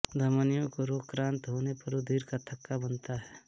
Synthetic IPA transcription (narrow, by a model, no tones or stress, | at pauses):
d̪ʱəmənijõkoɾoːkɾãːnt̪ɦoːnepɐɾud̪ʱiːɾkat̪ʰɐkːabənt̪aɦɛː